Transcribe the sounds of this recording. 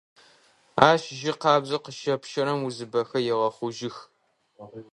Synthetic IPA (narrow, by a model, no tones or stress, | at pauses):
aːʃʒɪqɑːbzɐqəʃɐpʃɐɾɐmuzɨbɐxɐjɛʁɐχʷʊʒɪx